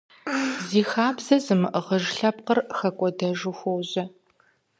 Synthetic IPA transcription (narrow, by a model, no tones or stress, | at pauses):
ziːxaːbzɐzɨmɨʔəʁəʒɬɐp̚qərxɐkʷʼɔdɐʒɨxʷowʑɐ